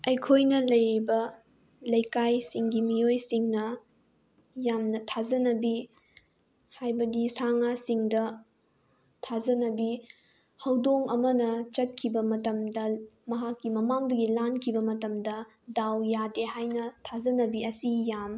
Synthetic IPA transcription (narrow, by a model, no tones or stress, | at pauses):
ɐjkʰojnɐlɐjɾibɐ | lɐjkajsiŋɡimijojsiŋnɐ | jamnɐtʰazɐnɐbi | hajbɐdisaŋasiŋdɐ | tʰazɐnɐbi | hɐwdoŋɐmɐnɐt͡ʃɐt̚kʰibɐmɐtɐmdɐmɐɦakːimɐmaŋdɐɡilankʰibɐmɐtɐmdɐ | dawjadehajnɐtʰazɐnɐbiɐsijam